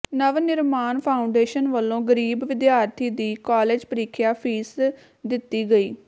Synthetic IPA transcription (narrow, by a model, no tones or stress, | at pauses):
nəʋnɪɾmaːnpʰaːʊɳɖeːʃənʋəlːõːɡəɾiːbʋɪd̪jaːɾt̪ʰiːd̪iːkaːleːd͡ʒpəɾiːkʰjaːpʰiːs | d̪ɪt̪ːiːɡəiː